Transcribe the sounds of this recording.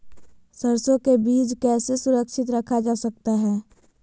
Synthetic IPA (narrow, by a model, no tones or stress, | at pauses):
səɾsõkebiːd͡ʒkɛːsesʊɾəkʃɪt̪ɾəkʰad͡ʒaːsək̚t̪aɦɛː